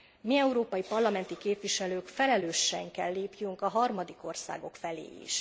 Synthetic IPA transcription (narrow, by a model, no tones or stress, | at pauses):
miɛuɾoːpɒjipɒrlɒmɛnt̪ikeːpʋiʃɛløːkfɛlɛløːʃːɛŋkɛlːeːpjyŋkɒɦɒrmɒd̪iko̞rsa̰ːɡo̞kfɛlḛːḭʃ